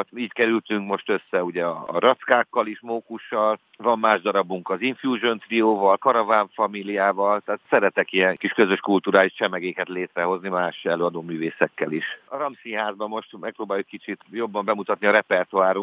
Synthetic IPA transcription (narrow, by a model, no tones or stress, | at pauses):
t̪iːckɛɾylt̪yŋkmo̞ʃt̪ø̞sːɛuɟɛɒ̰ːɾɒt̪skaːkːɒliʃmoːkuʃːɒl | vɒmːaːʒd̪ɒɾɒbuŋkɒziɱfjuːʒønt̪rioːvɒlkɒɾɒvaːɱfɒmilijaːvɒlt̪ɛːt̪sɛɾɛt̪ɛkiɛŋkiʃkø̞zøʃkult̪uːɾaːjit͡ʃɛmɛɡeːkɛt̪leːt̪ɾɛɦo̞znimaːʃɛløːɒd̪oːmyːveːsɛkːɛliʃɒɾɒmsinɦaːzbɒmːo̞ʃt̪mɛk̚proːbaːjukɛkːit͡ʃit̪jo̞bːɒmbɛmut̪ɒt̪niɒɾɛpɛrt̪uaːɾuŋ